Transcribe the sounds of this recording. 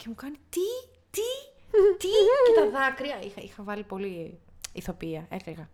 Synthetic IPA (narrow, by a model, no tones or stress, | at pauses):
ce̞mukɐnit̪i | t̪i | t̪iet̪ɐðɐkɾiɐixɐixɐvɐlipo̞li | iθo̞piɐekleɣɐ